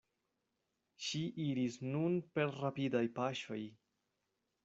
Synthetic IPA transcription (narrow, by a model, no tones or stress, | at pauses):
ʃiʔiɾisnunpe̞ɾːapidajpaʃo̞j